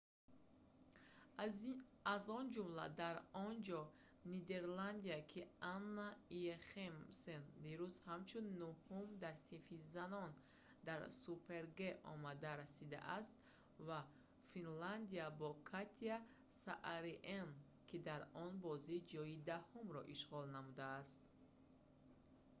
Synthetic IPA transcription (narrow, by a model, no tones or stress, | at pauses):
azɔnd͡ʒumla̰d̪aɾɔnd͡ʒɔ | nid̪e̞ɾland̪iakʰianːaieχemsend̪iɾuzhamt͡ʃʰunːuhumd̪aɾsifizanɔn | d̪aɾsupʰe̞ɾɡeʔɔ̰mad̪aɾasid̪a̰ʔast̪ | va | finland̪iabɔkʰat̪ʰia | saʔaɾiʔen | kʰid̪aɾɔnbɔzid͡ʒɔid̪ahumɾɔʔiʃʁɔlnamud̪aːst̪